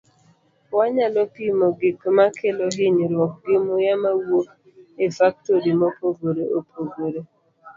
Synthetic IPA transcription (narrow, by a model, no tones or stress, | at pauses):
waɲalɔpimoɡɪkmakʰeloɦɪɲɾwɔk̚ɡɪmʊjamawok | efak̚toɾimopoɡoɾeʔopʰoɡoɾe